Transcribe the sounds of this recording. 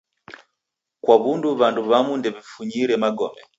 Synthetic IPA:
kwaβunduβanduβamundɛβifuɲiɾɛmaɡɔmɛ

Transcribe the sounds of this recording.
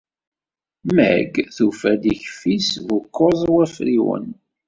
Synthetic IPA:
mæ̰ɡθufæd̪içfisvʊkːozˤwæfɾiwə̰n

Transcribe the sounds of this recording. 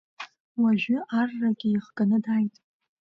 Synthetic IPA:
waʒʷᶣʏarːaɡʲɪiχɡanɨdajtʼ

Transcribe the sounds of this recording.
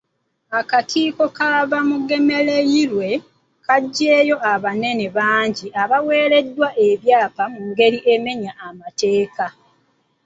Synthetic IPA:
akakiːko̞kaβamuɡe̞me̞lejiɾwe̞ | kaɟːe̞ːjo̞ʔaβane̞ne̞βaːɲɟiaβawe̞ːɾe̞dːwaʔe̞βjaːpamuŋɡe̞ɾiʔe̞me̞ɲaʔamate̞ːka

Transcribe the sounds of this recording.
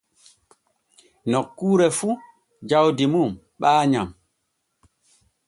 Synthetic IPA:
nɔkːuːɾɛfu | d͡ʒawdimum | ɓaːɲa̰m

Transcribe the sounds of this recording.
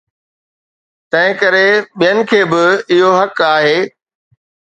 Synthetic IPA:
t̪ɐ̃ɦɪ̃kɐɾeɓijənɪ̆kʰeːbɪɪɦoɦɐkaːɦeː

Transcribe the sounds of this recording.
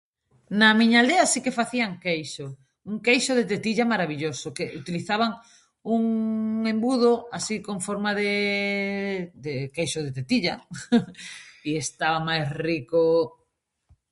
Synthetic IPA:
namiɲald̪easikefaθiaŋkejʃo | uŋkejʃoðet̪et̪iʎamaɾaβiʎosokeʔut̪iliθaβ̞aŋ | uŋẽmbuðoasikoɱfoɾmaðe | d̪ekejʃoðet̪et̪iʎa | iest̪aβamajsriko

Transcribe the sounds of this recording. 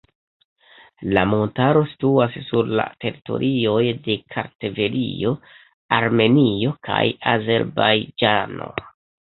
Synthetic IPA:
lamo̞ntaɾo̞si̥tuassuɾla̰te̞ɾito̞̰ɾʔio̞jde̞kʰaɾteve̞lio̞ | aɾme̞nio̞kʰajaze̞ɾbajd͡ʒano̞̰

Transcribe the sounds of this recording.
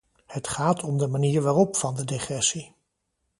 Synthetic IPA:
hətχaːtʰɔmdəmaniːɹʋaːrɔpfɑndədeχrɛsi

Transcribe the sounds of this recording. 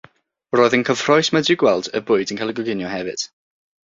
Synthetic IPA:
roːðənkʰəv̥r̥ɔɨsmadɪwɡwɛlˠdə̰bʊɨdənkʰalˠəɡɔɡɪnjɔhɛvɨ̰d̥

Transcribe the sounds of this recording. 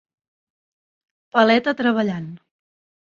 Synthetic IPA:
pəlɛt̪ət̪ɾəβəʎan

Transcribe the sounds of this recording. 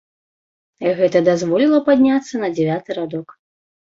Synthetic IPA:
ɣɛt̪ɐd̪azvɔlʲilˠɐpad̪ʲnʲat̪sːɐnɐd͡zʲɛvʲat̪ɨɾad̪ɔk

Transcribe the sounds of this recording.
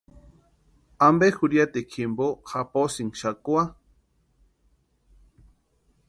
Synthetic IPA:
ambexuɾiat̪ekʰimbohaposiŋʃakua

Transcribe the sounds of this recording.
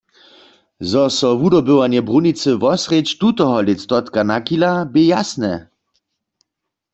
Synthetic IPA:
zɔsɔvudɔbəwanjɛbʁunit͡sɨvɔsʁet͡ɕt̪ut̪ɔɦɔlɪtst̪ɔt̪kanakilabɪjasnɛ

